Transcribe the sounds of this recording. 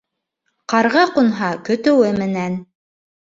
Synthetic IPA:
qɑɾʁɑqunɦɑkɵ̆t̪ɘ̆wɘmɘ̆næn

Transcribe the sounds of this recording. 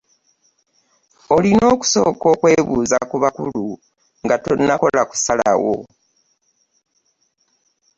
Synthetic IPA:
o̞lino̞ːku̥so̞ːko̞ːkwe̞βuːzakuβakṵlu | ŋɡato̞̰nːako̞laku̥salawo̰

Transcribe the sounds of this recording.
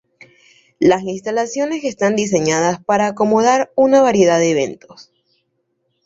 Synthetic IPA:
lasinst̪alasjo̞ne̞se̞st̪and̪is̬e̞ɲað̞aspaɾaːko̞mo̞ðaɾunaβaɾje̞ðaðeːβ̞e̞̰nt̪o̞s

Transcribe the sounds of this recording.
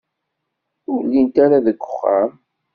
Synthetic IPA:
ʊɾlːint̪aɾaðəɡʷːʊχːa̰m

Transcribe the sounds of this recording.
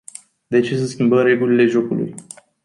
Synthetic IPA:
d̪e̞t͡ʃe̞s̬eskʲimbəɾe̞ɡulile̞ʒo̞kulṵj

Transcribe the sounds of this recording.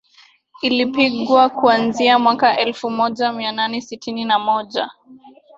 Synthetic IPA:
ilipiɠwakuanziamwakaʔɛlfumɔʄamiananɛsitʰininamɔʄa̰

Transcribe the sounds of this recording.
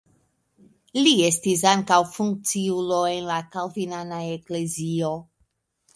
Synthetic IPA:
lie̞stis̬aŋkawfuŋk̚t͡siuloe̞nlakalvinanaekle̞zio

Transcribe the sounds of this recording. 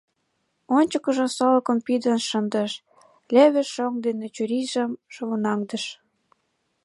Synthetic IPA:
onʲt͡ɕəkə̆ʒə̆solɤ̆kɤ̆mpid̪ənʃə̆nd̪əʃ | lʲeβĕʃːoŋd̪enet͡ɕuɾiʒə̆mʃoβonɑŋd̪ə̆ʃ

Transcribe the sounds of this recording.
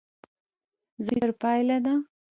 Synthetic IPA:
zəɾpɑjlana

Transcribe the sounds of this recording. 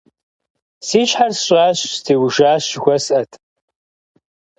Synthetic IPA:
siːɕħarsɕʼaːɕstʰeːwʒaːɕɪxʷɐsʔɐtʰʼ

